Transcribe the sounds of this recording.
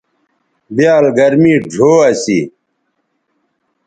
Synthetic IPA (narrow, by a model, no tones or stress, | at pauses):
bijaːlɡɐɾmiːɖʱoːɐsḭ